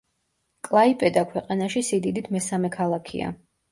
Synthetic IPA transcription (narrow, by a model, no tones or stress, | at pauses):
kʼlˠaipʼɛd̪akʰwɛqʼanaʃisid̪id̪it̪ʰmɛsamɛkʰalˠakʰḭa̰